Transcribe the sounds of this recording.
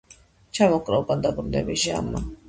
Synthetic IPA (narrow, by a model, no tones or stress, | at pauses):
t͡ʃʰamɔkʼɾaukʼand̪abɾunɛ̰biʒa̰mːa